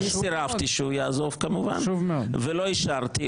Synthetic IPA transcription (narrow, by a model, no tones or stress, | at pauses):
issiʁavt̪iʃeujaːzo̞vkamuva̰nʃuvmeovelo̞iʃaʁt̪i